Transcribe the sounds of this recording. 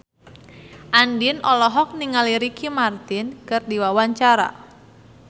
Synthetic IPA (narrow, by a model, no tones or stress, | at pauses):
ʔandinɔlɔɦɔk̚niŋaliɾikimart̪ɪnkɨrdiwawaɲt͡ʃaɾa̰